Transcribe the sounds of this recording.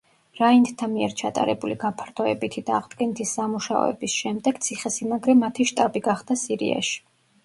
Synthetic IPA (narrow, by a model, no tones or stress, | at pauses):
ɾaind̪t̪ʰamiɛɾt͡ʃʰat̪ʼa̰ɾɛbuliɡapʰaɾt̪ʰɔɛ̰bit̪ʰid̪̥aːʁd̪ɡɛnit̪ʰisːamuʃaɔ̰ɛ̰bisʃɛmd̪ɛɡ̥t̪sʰiχɛsimaɡɾɛmat̪ʰiʃt̪ʼabiɡaχd̪asiɾḭa̰ʃi̥